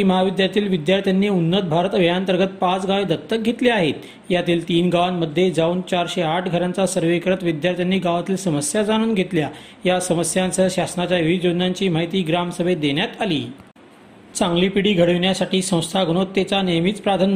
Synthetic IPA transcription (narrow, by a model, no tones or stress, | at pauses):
iməɦaʋid̪jaɾt̪iːlʋid̪jaɾt̪ʰjanːiunːət̪̚bʱaɾət̪əʋjãnt̪əɾɡət̪̚pat͡sɡaʋed̪ət̪ːək̚ɡʱet̪liaɦet̪ | jat̪iːlt̪iːnɡaʋanməd̪ʱːjed͡zauːnt͡ɕaɾɕeaʈʰɡʱəɾant͡sasəɾʋekɾət̪ʋid̪jaɾt̪ʰjanːiːɡaʋat̪iːlsəməsjad͡zaɽ̃uːnɡʱet̪lja | jasəməsjãnt͡səɕasnat͡ɕjauʋijod͡ʑ̪naɲt͡ɕiːm̤aɦit̪iːɡɾamsəbʱed̪eɳjat̪alḭː | t͡sãŋɡlipiɽiːɡʱəɽəʋɳjasaʈiːsə̃w̃st̪ʰaɡʱɽ̃ot̪ːet͡sanejmit͡spɾat̪ʰan